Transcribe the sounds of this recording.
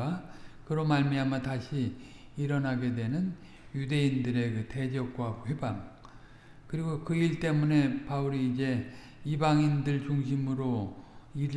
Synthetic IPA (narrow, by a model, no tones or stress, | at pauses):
akɯɾʌmaɭmiamjʌtaɕʰi | iɾʌnɦaɡe̞dwe̞nɯn | jude̞indɯɾe̞kɯte̞d͡ʑʌk̚k͈waɸebaŋ | kɯɾiɡokɯiɭt͈e̞mune̞pauɾiːd͡ʑe̞ | ibaŋindɯɭt͡ɕuŋɕ̬ʰimɯɾoiɾ